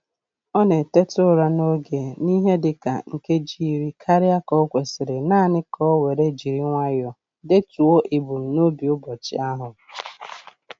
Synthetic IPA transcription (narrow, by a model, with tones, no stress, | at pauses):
ɔ˦ne˨te˦tʊ˦ɾa˦no˦ɡe˨ni˦ɦe˦dɪ˨ka̰˨ŋ̩˨ke˦d͡ʒi˦˨ɾi˦kʰa˦ɾɪ˦a˦kɔ˦kʷe˨sɪ˨ɾɪ˨naː˦˨nɪ˦kʰɔ˦we˨ɾe˦d͡ʒi˨ɾi˦ŋʷa˦jɔ˨ | de˦tu˨o˦ʔi˨bu˨m̩˨no˦bi˨ʊ˦bɔ˨t͡ʃɪ̰˦a˦ɦʊ˨